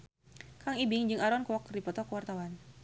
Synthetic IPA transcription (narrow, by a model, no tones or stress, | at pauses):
kaŋibɪŋd͡ʒɨŋaɾɔnkɔkdipɔt̪ɔkwart̪awan